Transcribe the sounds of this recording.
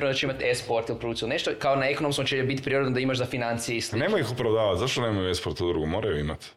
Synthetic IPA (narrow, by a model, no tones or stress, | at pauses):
ɾenod̪at͡ʃeimat̪espoɾt̪ilpɾouːsilneʃt̪okaonaeko̞nomskot͡ʃeebit̪pɾiɾod̪nod̪aimaʃzafinant̪sijeisine̞mojixupɾaʋd̪aːʋat̪zaʃt̪onemojuespoɾt̪ud̪ɾuɡumo̞ːɾajuimat̪